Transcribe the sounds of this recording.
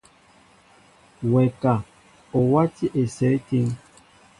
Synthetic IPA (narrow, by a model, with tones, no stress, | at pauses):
wɛ˨ka˨ | o˨wa˦ti˦ʔe˨sɛ˨˦ti˦ŋ